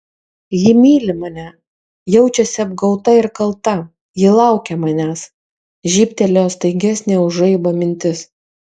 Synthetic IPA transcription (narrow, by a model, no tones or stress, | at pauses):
jɪmʲiːlʲɪmɐnʲæ | jɛʊt͡ʃʲɛsʲɪɐb̚ɡɐʊt̪ɐɪɾkɐlˠt̪ɐ | jɪlˠɑˑʊkʲɛmɐnʲæːs | ʒʲiːpʲt̪ʲɛlʲoːst̪ɐɪɡʲæsʲnʲeːʊʒɐɪboːmʲɪnʲt̪ʲɪs